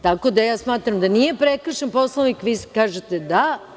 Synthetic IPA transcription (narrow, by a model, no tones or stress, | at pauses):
t̪ako̞d̪ajaːsmaːt̪ɾamd̪anije̞pɾe̞kr̩ʃanpo̞slˠoʋnikʋiːskaːʒet̪e̞d̪a